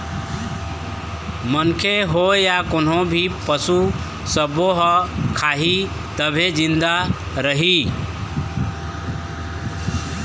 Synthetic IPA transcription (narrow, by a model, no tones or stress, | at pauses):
mənkʰeɦojakonɦõbʱipəsu | səboɦəkʰaɦi | t̪əbʱed͡ʒĩnd̪a | ɾəɦi